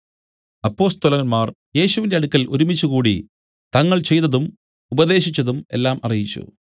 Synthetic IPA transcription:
ɐpːo̞ːst̪ɐlɐnmaːr | je̞ːɕuʋinde̞ɐɽukːɐloɾumit͡ɕːukuːɽi | t̪ɐŋːɐɭt͡ɕe̞jt̪ɐðum | ubɐðe̞ːɕit͡ɕːɐðume̞̰lːaːmɐ̰rijit͡ɕːṵ

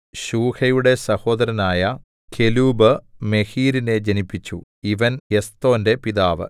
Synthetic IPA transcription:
ɕuːhɐjuɽe̞sɐho̞ːd̪ɐɾɐnaːjɐ | kʰe̞luːbɨme̞hiːɾine̞d͡ʑɐnipːit͡ɕːṵiʋɐnest̪o̞ːnde̞piðaːʋɨ̰

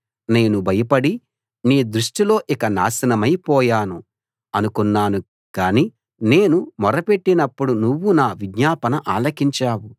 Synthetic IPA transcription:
ne̞ːnubʱɐjɐpɐɽi | niːd̪ɾuʂʈilo̞ːʔikɐna̰ːsɐnɐmɐjpɔːjaːnu | ɐnukunːaːnu | kaːniː | ne̞ːnumɔɾɐpe̞ʈːinɐpːuɽunuʋːunaːʋiɡɲaːpɐnɐʔaːlɐkiɲt͡ʃaːwu

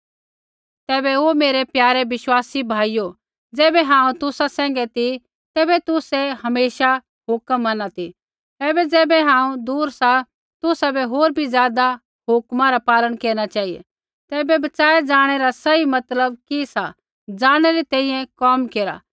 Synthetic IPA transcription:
t̪ɛːbɛomeːɾɛpjaːɾɛʋɪʃwaːsibʱaːijo | d͡zɛːbɛɦãːũt̪ʊsasɛ̃ːŋɡɛt̪i | t̪ɛːbɛt̪ʊsɛɦɐmeːʃa | ɦʊkəmːɐnat̪i | t̪ɛːbɛd͡zɛːbɛɦãːũd̪uːɾsa | t̪ʊsabɛɦoːɾbʱizjaːd̪a | ɦʊkmãɾapaːləɽ̃keːɾ̃at͡ʃaːiḛ | t̪ɛːbɛbɐt͡ʃaːed͡zaːɽ̃ɛɾasɐimɐt̪ləb̚kisa | d͡zaːɽ̃ɛɾit̪ɛ̃ːĩjɛ̃kɔːmkeːɾa̰ː

